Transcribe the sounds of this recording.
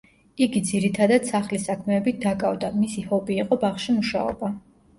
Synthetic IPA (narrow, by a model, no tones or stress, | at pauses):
iɡid̪ziɾit̪ʰad̪ad̪̥saχlisakʰmɛːbit̪̚ʰd̪akʼavd̪amisihɔpʼiːqʼɔbaχʃimuʃa̰ɔ̰ba